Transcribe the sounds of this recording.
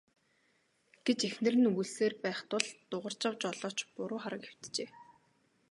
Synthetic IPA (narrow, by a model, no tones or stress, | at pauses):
ɡ̥et͡ɕexnɘ̆rɘ̆nuɣuɮseːrpæːχt̪ʊɮt̪ʊʁə̆r̥t͡ɕə̆q̚t͡ɕɔɮɔːt͡ɕpʊɾʊːχaɾə̆kxe̥w̥t̪t͡ɕeː